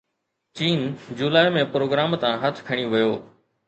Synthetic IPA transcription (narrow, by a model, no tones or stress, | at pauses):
t͡ɕiːnd͡ʑuːlaːɪmẽːpɾoːɡɾaːmt̪ãɦət̪ʰkʰəɽ̃iʋɪjoː